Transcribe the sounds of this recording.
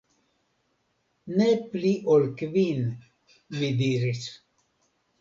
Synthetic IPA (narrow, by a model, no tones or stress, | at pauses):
nepliʔolkvin | mid̪iɾis